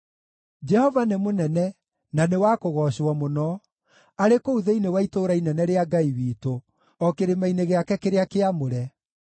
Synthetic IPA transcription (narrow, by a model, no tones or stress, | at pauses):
d͡ʒɛhɔvanemonɛnɛ | nanewakoɣɔɕɔmonɔ | aɾekouðeinewaitoːɾainɛnɛɾeaɡaiwiːto | ɔkeɾemaineɣeakɛkeɾeakeamoɾɛ